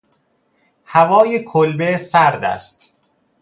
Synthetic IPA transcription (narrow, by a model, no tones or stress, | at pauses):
hævɒːjekʰolbesæɾd̪æ̰st̪